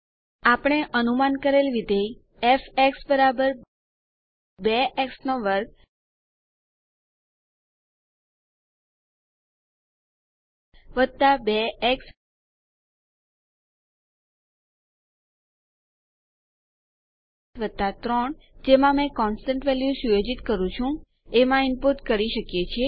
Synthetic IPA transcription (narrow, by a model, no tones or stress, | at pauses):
apəɽ̃eʔənumankəɾelʋid̪ʱei | ɛfeksbəɾabəɾ | beʔeksnoʋəɾɡ̚ | ʋəd̪̚t̪abeeks | ʋəd̪̚t̪at̪ɾəɳ | d͡ʒemãmɛ̃kɔnsʈə̃ɳʈʋɛljusujod͡ʒit̪kəɾũt͡ʃʰũ | emãimpuɾʈkəɾiʃəkjet͡ʃʰe